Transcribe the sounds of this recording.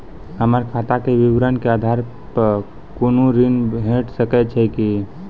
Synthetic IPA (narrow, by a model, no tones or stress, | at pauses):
həməɾkʰat̪akeʋiʋɾənkead̪ʱaɾ | pəɾ | konũɾinɦẽʈsəkɛt͡ʃʰɛki